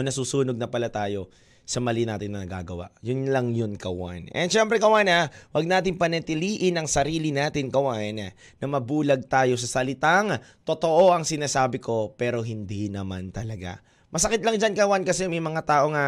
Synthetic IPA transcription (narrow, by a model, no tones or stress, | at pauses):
onɐsusuːnoɡ̚nɐpɐlat̪aːjo̞ | sɐmɐlɪnaːt̪ɪnːɐnɐɡa̰ːɡɐwa̰ʔjʊnlɐŋjʊnkɐwa̰nɛnʃɛmpɾɛkɐwanawɐɡ̚naːt̪ɪŋpɐnɛt̪ɪliːʔɪnɐŋsɐɾiːlɪnaːt̪ɪnkɐwaɪn | nɐmɐbuːlɐɡ̚t̪aːjo̞s̬ɐsɐlɪt̪aŋt̪ot̪o̞ʔo̞ʔɐŋsɪnaːsaːbɪko̞pɛːɾo̞ɦɪnd̪inɐmant̪ɐlɐɡa̰ | mɐsɐkɪt̪̚lɐŋd͡ʒankɐwankɐsɛmɐjmɐŋat̪aːʔo̞ŋɐ